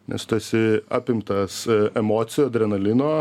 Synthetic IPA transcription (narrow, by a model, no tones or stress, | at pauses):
nʲɛ̰st̪oɛsʲɪɑ̰ːpʲɪmt̪ɐsɛmoːt̪sʲɪjoːd̪ɾʲɛnɐlʲɪnoː